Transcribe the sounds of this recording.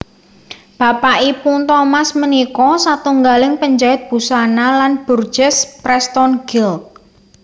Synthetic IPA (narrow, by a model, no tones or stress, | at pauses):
b̥a̤paʔipunt̪ɔmasmənikɔsat̪uŋɡalɪŋpəɲd͡ʒaɪt̪̚b̥ṳsanalanb̥ṳr̥d͡ʒɛspɾɛst̪ɔnɡɪlk̚